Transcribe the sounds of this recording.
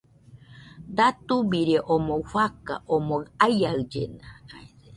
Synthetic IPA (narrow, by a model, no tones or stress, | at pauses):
d̪at̪ubiɾeʔomowfaka̰ʔomoajaɨd͡ʒḛnaae